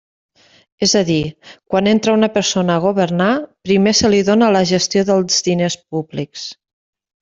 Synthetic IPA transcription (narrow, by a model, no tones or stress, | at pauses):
ezəðikwanent̪ɾəunəpəɾsonəːɣ̞uβəɾnapɾimesəliðonələʒəst̪joðəlˠzðinespubliks